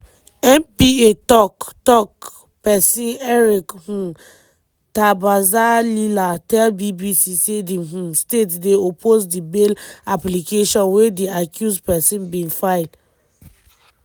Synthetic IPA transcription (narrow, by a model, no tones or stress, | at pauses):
ɛ̃mpietɔktɔk̚ | pɛsĩnɛɹikhũ | tabazalilatɛlbibisisediɦũstetdeopʰozdibelaplikeʃɔ̃nwediakʰjuspɛsĩnbĩnfaɪl